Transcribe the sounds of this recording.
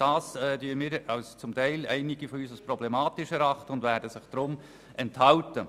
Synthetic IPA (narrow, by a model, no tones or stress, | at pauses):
d̥ɑːsɛːdyːəmɪːɾɑʊst͡sʊmtæɪlæɪnɪɡ̥ifɔyːsasprɔblɛmɑːtɪʃɛɾɑχtəʊndvæːdəsɪχd̥ɾʊm | ɛnthɑltə